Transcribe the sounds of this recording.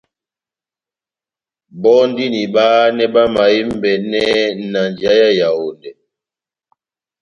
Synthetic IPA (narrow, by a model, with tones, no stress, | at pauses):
bɔ˦n˦di˦ni˨baː˦nɛ˦ba˦ma˨i˦m˦bɛ˨nɛ˦na˨nd͡ʒa˦ja˦ja˨wo˨ndɛ˨